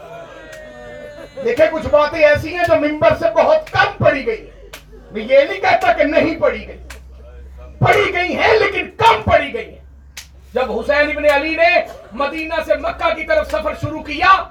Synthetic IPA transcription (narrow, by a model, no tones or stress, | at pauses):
d̪eːkʰẽkʊt͡ʃʰbaːt̪ẽɛːsiɦɛ̃d͡ʒoːmɪ̃mbəɾsebɐɦʊt̪kɐmpɐɽiɡɐiɦɛ̃ | mɛ̃jeːlikɛɦt̪akenɐɦĩpɐɽiɡɐi | pɐɽiɡɐiɦɛ̃leːkɪnkɐmpɐɽiɡɐiɦɛ̰̃ː | d͡ʒɐbɦʊsɛːnɪbneɐlinemɐd̪iːnasemɐkːakit̪ɐɾəfʰsɐpʰəɾʃʊɾukijaː